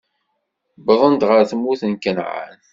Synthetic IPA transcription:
bəðˤənd̪ʁəɾθmːuθənkənʕa̰n

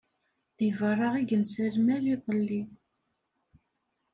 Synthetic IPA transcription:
ðivərˤːɑʁiʝənsəlmæliðˤəlːi

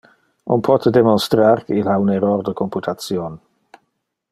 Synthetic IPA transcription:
ʔo̰npʰɔt̪ʰəd̪emonst̪ɾaɾkeilaunɛɾɔrd̪əkʰomput̪ʰatsjon

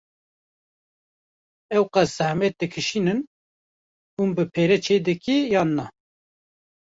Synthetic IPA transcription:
ɛwqæsz̥æhmɛt̪̚d̪ɨkʰɨʃiːnɨn | umbɨpʰeːɾɛt͡ʃʰeːd̪ɨkijɑːnːɑ

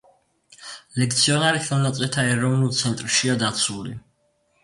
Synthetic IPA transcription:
lɛk̚t̪sʰiɔnaɾiχɛlˠnat̪sʼɛt̪ʰaɛɾɔvnulˠt̪sʰɛnt̪ʼɾʃiad̪at̪sʰulḭ

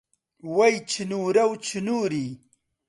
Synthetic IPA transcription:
wɐjt͡ɕʰinuːɾɐwt͡ʃʰinuːɾi

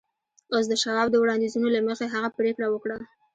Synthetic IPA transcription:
os̬d̪əʃaɾɑb̚d̪əwɽɑnd̪izunolaməxeɦaɣapɾekɽawəkɽa

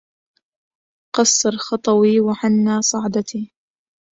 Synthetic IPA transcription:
qɑsˤːɑɾˤxɑt̪ˤɑwiːwaħanːaːsˤɑʕd̪ɑt̪iː

